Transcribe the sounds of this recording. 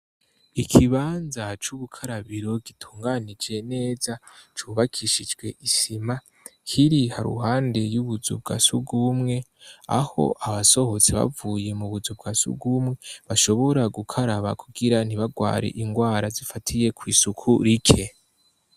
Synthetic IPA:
ikʰiβaːnzat͡ʃuβukʰaɾaβiɾo̞ɡitʰuːŋɡanid͡ʒe̞ne̞ːzat͡ʃuβakʰiʃid͡ʒɡwe̞̰ʔisima | hʰiɾihaɾṵhaːnde̞juβuzṵbɡa̰suɡumŋe̞a̰ho̞̰ʔaβaso̞ho̞t͡seβa̰vuːje̞muβuzub̚ɡasṵɡumŋe̞βaʃo̞βo̞ɾaɡukʰaɾaβa̰kʰuɡiɾaniβaɡwa̰ːɾḛʔiŋɡwaːɾazifatʰije̞kwiːsukʰuɾikʰe̞

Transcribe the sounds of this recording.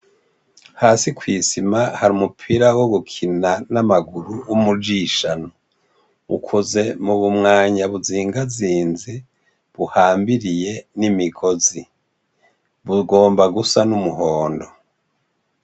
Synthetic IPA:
haːsikwiːsimahaɾiumupʰiːɾawo̞ɡukʰinanamaɡuɾuwumud͡ʒiʃano | ṵkʰoze̞muβumŋaːɲaβuziːŋɡaziːnzi | βuhaːmbiɾije̞nimiɡo̞zi | βuɡo̞ːmbaɡusanumuɦoːndo̞

